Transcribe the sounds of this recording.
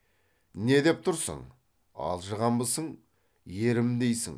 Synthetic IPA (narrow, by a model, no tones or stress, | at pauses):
ne̞d̪e̞p̚t̪ʰʊɾsə̰ɴ | ɑ̰lˠʒəʁɑmbəsəɴ | je̞ɾɪmd̪e̞jsɪ̰ŋ